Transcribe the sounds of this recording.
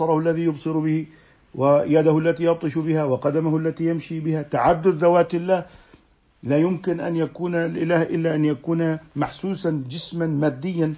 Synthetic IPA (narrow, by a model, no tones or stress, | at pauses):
ɑɾˤɑhʊlːaðijʊbsˤɨɾbɪhi | wɪjaːd̪ahʊlːat̪ijɑb̚t̪ˤɨʃbɪhawɪqɑd̪amahʊlːat̪ijamʃibɪhat̪aʕad̪ːʊd̪ːawaːt̪ɪlːaːh | laːjʊmkɪnʔanjakuːnlʔɪlaːhʔɪlːaʔanjakuːnamaħsuːsand͡ʒɪsmanmaːd̪ːɪjːan